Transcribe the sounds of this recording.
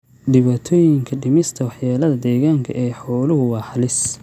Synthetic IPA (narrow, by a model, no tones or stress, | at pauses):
ɖɪβaːt̪ʰɔːjɪŋkʰɐɖɪmɪst̪ʰɐwɑħjaːlɐðɐd̪ɛːɣaːŋkʰɐʔɛːħɔːlʊɦʊwɑːħɑlɪs